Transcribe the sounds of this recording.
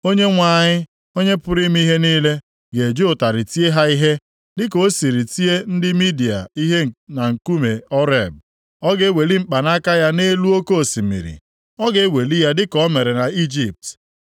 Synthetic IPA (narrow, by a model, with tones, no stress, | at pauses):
o˦ɲe˦ŋʷa˨˦˨ɲɪ˦ | o˦ɲe˦pʊ˦ɾi˦m˦i˦ɦe˦niː˦le˦ | ɡe˨d͡ʒo˦ʊ˨ta˨ɾɪ˨ti˦e˦ɦa˦i˦ɦe˦ | dɪ˦ko˨˦si˨ɾi˨ti˦e˦n̩˦dɪ˦mi˦di˨a̰˨i˦ɦe˦˨na˨ŋ̩˨ku˦me˨ɔ˦ɾe˦˨b̚ | ɔ˦ɡe˦we˨li˦m̩˦k͡pa˨na˦ka˦ja˦ne˦lu˦o˦ko˦o˨si˨mḭ˨ɾḭ˨ | ɔ˦ɡe˦we˨li˦ja˦dɪ˦kɔ˦me˨ɾe˨na˨i˦d͡ʒi˨p̚t